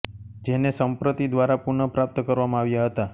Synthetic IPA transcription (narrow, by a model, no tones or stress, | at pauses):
d͡ʒenesəmpɾət̪id̪ʋaɾapuɳəpɾap̚t̪əkəɾʋamãaʋjaɦət̪a